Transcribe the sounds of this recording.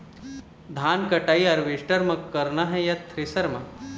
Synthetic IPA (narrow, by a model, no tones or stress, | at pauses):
d̪ʱaːnkɐʈaːiɐɾʋeːʃʈɐɾmɐkːɐɾnaɦɛjɐt̪ʰɾisɐɾmɐ